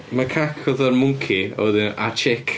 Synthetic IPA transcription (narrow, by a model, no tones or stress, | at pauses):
makʰakʰɔðərmʊŋkʰia̰wɛðɪnat͡ʃʰɪkʰ